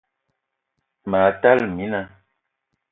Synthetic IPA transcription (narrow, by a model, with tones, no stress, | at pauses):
ma˨˦ta˦lmi˦na˦